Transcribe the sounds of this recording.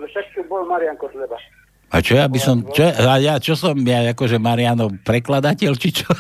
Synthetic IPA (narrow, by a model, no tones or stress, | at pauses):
lɛʃɛt̪kibɔlmaɾiaŋkɔzlɛba | at͡ʃɔjabisɔmt͡ʃɔaajat͡ʃɔsɔmjaakɔʒɛmaɾiɪanɔpɾɛklad̪acɛlt͡ʃit͡ʃɔ